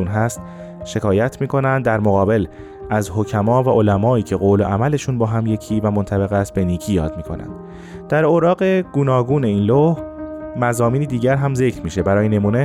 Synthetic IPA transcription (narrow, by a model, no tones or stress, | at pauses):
unɦæst̪ | ʃe̞kʰɒːjæt̪ʰmiːkʰo̞nænd̪dːæɾmoɣɒːbe̞l | ʔæzɦo̞cʰæmɒːvæʔolæmɒːiːcʰeɣoːlo̞ʔæmæle̞ʃuːnbɒːɦæmje̞cʰiːvæmont̪ʰæbe̞ɣæst̪̚be̞niːcʰiːjɒ̰ːd̪miːkʰonæ̰nd̪̥ | d̪̥æɾoɾɒːɢe̞ɡ̥uːnɒːɡuːne̞iːnlohmæzɒːmiːniːd̪iːɟæɾɦæmze̞cʰɾmiːʃe̞bæɾɒːjene̞muːne̞